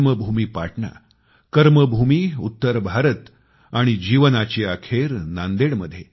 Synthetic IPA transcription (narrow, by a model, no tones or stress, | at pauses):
məbʱumiːpaʈɳa̰ | kəɾməbʱumiːut̪ːəɾbʱaɾət̪ | aɽ̃id͡ʑiʋənat͡ɕiːakʰeɾnand̪eɽməd̪ʱːje